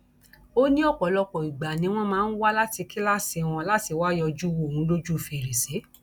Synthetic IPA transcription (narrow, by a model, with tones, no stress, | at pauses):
o˦nĩ˦ɔ˦˨kɔ˨lɔ˧kɔ˨i˨ɡ͡ba˨nĩ˨˧w̃ɔ̃˦mãː˨˦n̩˦wa˦la˦ti˧ki˦la˦se˧w̃ɔ̃˧la˦ti˧wa˦jɔ˧d͡ʒu˦wo˦˨ũ˨˦lo˦d͡ʒu˦˨fe˨ɾe˨se˨˦